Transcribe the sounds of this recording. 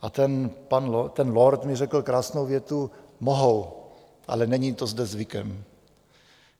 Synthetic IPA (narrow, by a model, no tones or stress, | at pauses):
ʔat̪ɛnpanlt̪ɛnloɾt̪mɪrɛkl̩kɾaːsnowvjɛt̪umoɦow | ʔa̰lɛnɛɲit̪o̞zdɛzvɪkɛm